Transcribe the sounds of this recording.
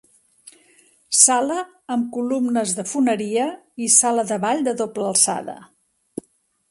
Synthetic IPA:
saləː | mkulumnəzðəfunəɾiəisaləðəβaʎd̪əðopləəlˠsa̰ðə̰

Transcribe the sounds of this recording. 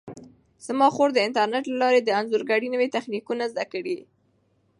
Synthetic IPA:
z̥mɑxoɾd̪əɪnt̪aɾneʈlalɑɾed̪əanzuɾɡaɽinəwet̪axnikunazd̪akəɽi

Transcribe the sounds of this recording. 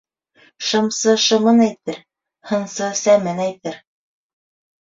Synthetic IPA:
ʃɤ̆msɤʃɤ̆mɤnæjt̪ɘɾ | hɤ̆nsɤsæmɘnæjt̪ɘɾ

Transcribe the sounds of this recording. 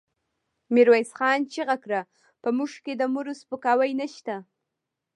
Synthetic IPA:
miɾwajsxɑnt͡ʃeɣakɾa | pəmuʐked̪əmuɾospəkɑwəjnaʃt̪a

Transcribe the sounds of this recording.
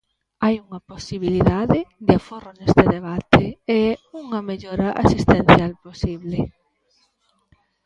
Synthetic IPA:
ajuŋaposiβiliðaðed̪ɪaforonest̪eðeβ̞at̪eeuŋameʎoɾaʔa̰sist̪en̟θjalposiβle

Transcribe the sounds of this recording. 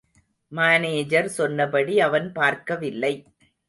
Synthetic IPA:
maːneːd͡ʒɐɾsɔnːɐpɐɽiɐʋɐnpaːɾkɐʋɪlːɐɪ

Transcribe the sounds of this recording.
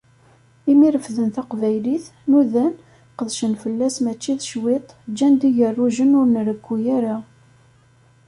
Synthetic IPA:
imiɾəfðənθæqvæjliθnuðæn | qəðʃənfəlːæsmæt͡ʃːiðʃwɪt̪ˤd͡ʒːænd̪iʝərˤːuʒənʊɾnɾəkʷːujaɾa

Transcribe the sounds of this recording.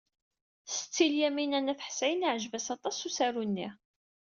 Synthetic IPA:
sə̥t͡sːiljæminænæθħsæjəniʕəʒvæsɑt̪ˤɑsusæɾunːi

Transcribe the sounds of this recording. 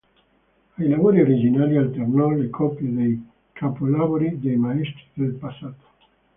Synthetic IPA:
ajlavoːɾioɾid͡ʒinaːlialt̪ernɔlekʰɔpjed̪ej | kʰapolaboɾid̪ejmaɛst̪ɾid̪elpasːaːt̪o̥

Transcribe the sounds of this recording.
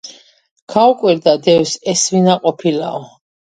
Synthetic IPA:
kʰaukʼwiɾd̪ad̪ɛwsɛsvinaqʼɔpʰila̰ɔ

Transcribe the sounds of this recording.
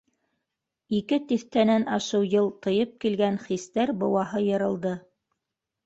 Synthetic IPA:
ikɘt̪iθt̪ænænɑʃɤwjɤlˠt̪ɤ̆jɤp̚kilɡænχist̪æɾbɤ̆wɑɦɤjɤ̆ɾɤ̆lˠd̪ɤ

